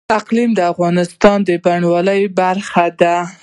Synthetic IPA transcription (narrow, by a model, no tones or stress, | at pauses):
aqlimd̪əafɣɑnɪst̪ɑnd̪əbaɳwɑləjbaɾxad̪a